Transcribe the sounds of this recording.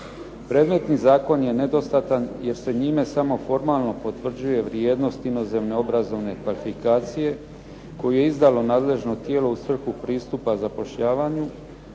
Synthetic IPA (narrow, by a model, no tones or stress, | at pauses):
pɾeːd̪me̞t̪nizaːko̞nje̞ne̞d̪o̞st̪at̪anje̞ɾse̞ɲiːme̞samo̞fo̞ɾmalˠno̞po̞t̪ʋr̩d͡ʑuje̞ʋɾje̞ːd̪no̞st̪ino̞ze̞mne̞o̞bɾazo̞ʋne̞kʋalifikaːt̪sije̞ | ko̞juje̞izd̪alo̞naːd̪le̞ʒno̞t̪je̞ːlo̞usʋr̩xupɾiːst̪upazapo̞ʃʎaːʋaːɲu